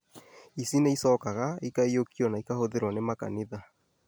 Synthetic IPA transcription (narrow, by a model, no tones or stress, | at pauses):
isineisɔkaɣaikaiokiɔnaikahoðeɾwanemaka̰niða